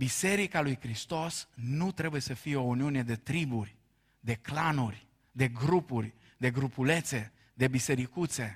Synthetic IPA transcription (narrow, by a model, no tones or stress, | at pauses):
bise̞ɾikalujkɾist̪o̞snut̪ɾe̞buje̞səfijeo̞uniune̞d̪e̞t̪ɾiburʲ | d̪e̞klanurʲ | d̪e̞ɡɾupurʲ | d̪e̞ɡɾupule̞t̪se̞ | d̪e̞bise̞ɾikut̪se̞